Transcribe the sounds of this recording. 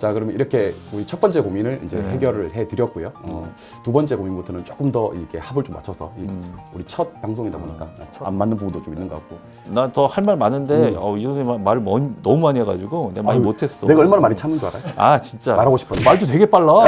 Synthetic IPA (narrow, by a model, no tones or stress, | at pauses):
t͡ɕakɯɾʌmniɾʌkʰe̞uɾit͡ɕʰʌt̚p͈ʌnt͡ɕ͈e̞kominɯɭḭnd͡ʑe̞̰heɡjʌɾɯɭhe̞tɯɾjʌt̚k͈ujoʌ | tubʌnt͡ɕ͈e̞kominɡotʰonɯnt͡ɕ͈ok͈ɯmdʌḭkʰe̞habɯɭt͡ɕ͈omːa̰t͡ɕʰʌsʰʌiuɾit͡ɕʰʌt̚paŋsʰoŋidaboɲik͈aat͡ɕʰa̰nmanːɯnbubundot͡ɕominːɯnɡʌ̰kak̚k͈o | natʌhaɭmaɭmanːɯnde̞ʌiʌeamaɾɯmʌɲnʌmuaɲieɡad͡ʑiɡonemaɾimotʰe̞s͈ʌneɡaʌɭmanamaɾit͡ɕʰamɯndoaɾa̰joa̰t͡ɕint͡ɕ͈amaɾɦaɡoɕʰi̥pʰʌmaɭdotwe̞ɡe̞p͈aɭːa